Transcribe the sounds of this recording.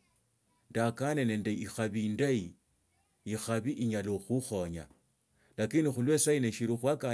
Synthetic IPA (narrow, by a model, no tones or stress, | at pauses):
ndakanene̞ːndeixaβindai | ixaβiʔiɲaloxuxo̞ɲa̰ | lakinixulwesaineʃiɾuxwaka